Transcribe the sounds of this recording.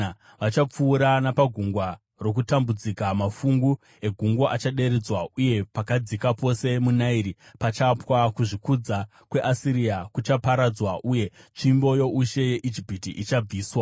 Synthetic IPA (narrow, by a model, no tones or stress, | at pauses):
ʋat͡ʃap͡fuːɾanapaɡʱuŋɡwa | ro̞k̬utambud͡zikamafuŋɡu | e̞ɡʱuŋɡwoʔat͡ʃaɗe̞ɾed͡zwauje̞pakad͡zikapo̞se̞munaiɾipat͡ʃapwakuʐikud͡za | kwe̞ʔasiɾijakut͡ʃapaɾad͡zwaʔuje̞t͡ʃimbo̞jo̞ʔuʃe̞je̞ʔid͡ʒipitiʔit͡ʃab͡viːswa